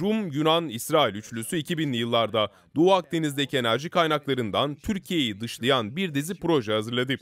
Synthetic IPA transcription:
ɾumjynanisɾaːilʲyt͡ʃlʲysyicʰibinlʲijɯlˠːaɾd̪a | d̪uak̚d̪e̞nizd̪e̞cʰie̞næɾʒikʰajnaklˠaɾɯnd̪ant̪ʰyɾcʰije̞jid̪ɯʃlˠajanbiɾd̪ezipɾo̞ʒɛɦazɯɾlˠad̪ɯ

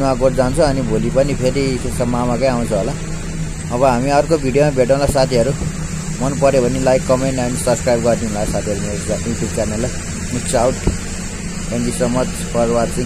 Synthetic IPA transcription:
wãɡoʈd͡zant͡sʰʌʌnibʱolipʌnipʰeɾisesʌmamakʌj̃aw̃nt͡sʰʌɦola | ʌβʌɦamiʌrkobʱiɽijomabʱeʈãlasat̪ʰiʌɾu | mʌnpʌɾjebʱʌnilajkːʌmeɳʈʌnisʌbskrajbɡʌrd̪ĩɦũnlasat̪ʰiʌɾunesɡaikisɡʌrnela | niksawʈ | enɡisʌmʌt͡s | pʌrwatt͡sʌ̃

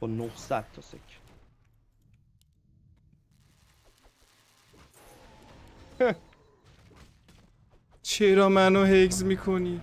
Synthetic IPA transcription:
ɔnohsæd̪̥̚t̪ːʰɔsḛcʰ | t͡ʃʰeɾɒːmænoɦeks̬miːkʰoni

